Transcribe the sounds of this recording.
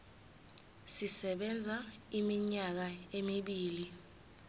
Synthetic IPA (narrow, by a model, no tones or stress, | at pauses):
sisɛɓɛnd͡zʱaimiɲak̬aemiɓiːli